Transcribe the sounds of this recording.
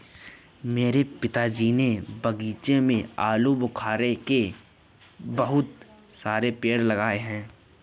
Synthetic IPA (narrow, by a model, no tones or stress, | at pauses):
meːɾepɪt̪ad͡ʒiːnebɐɡiːt͡ʃemẽaːlubʊkʰaːɾeke | bɐɦʊt̪saːɾepeːɽlɐɡaːeɦɛ̃ː